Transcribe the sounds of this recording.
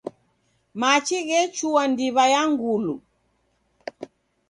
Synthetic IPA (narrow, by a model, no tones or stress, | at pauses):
mat͡ʃiɣɛt͡ʃuwandiβajaŋɡulu